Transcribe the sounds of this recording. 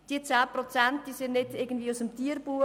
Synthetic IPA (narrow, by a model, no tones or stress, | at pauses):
d̥iːət͡saːprɔt͡sænt̚d̥iːsɪndnɪdɪɡən̩dviəusəmtiːərb̥uː